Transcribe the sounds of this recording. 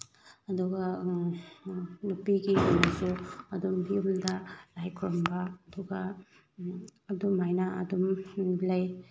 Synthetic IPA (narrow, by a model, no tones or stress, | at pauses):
ɐduɡɐ | nupiɡimamasuɐdumbiumdɐlajkʰuɾɐmbɐɐduɡɐ | ɐdumhajnɐɐ̰dumbilɐj